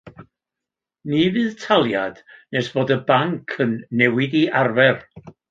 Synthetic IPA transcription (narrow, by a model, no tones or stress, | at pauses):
nivɨːðtʰalˠjad̥nɛsb̥oːdəbaŋkʰənːɛwɪdiʔarvɛr